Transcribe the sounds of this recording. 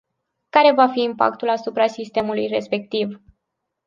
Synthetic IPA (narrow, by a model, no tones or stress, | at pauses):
kaɾe̞vafiːmpa̰k̚t̪ulasupɾasist̪e̞mulujre̞spe̞k̚t̪iv